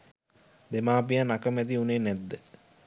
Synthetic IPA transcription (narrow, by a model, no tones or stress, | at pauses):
d̪emaːpijanakəmɛt̪̬iuneːnɛd̪ːə